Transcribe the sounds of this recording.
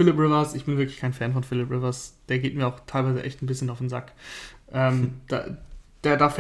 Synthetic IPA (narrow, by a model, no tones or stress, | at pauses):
fɪlɪpʁɪvɐsʔɪçb̥ɪnvɪɐklɪçkʰaɪnfɛnfɔnfɪlɪpʁɪvɐsd̥eːɐɡeːt̚miːɐaʊxtʰaɪlvaɪzə̰ʔɛ̰çtn̩bɪsçənaʊfnza̰kʔɛːmd̥a̰ːd̥aːɐdaːɐf